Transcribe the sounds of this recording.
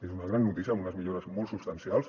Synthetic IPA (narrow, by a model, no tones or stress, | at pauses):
ezunəɣ̞ɾanːut̪is̬iəamunəzmiʎoɾəzmolˠtsupst̪ansjalˠs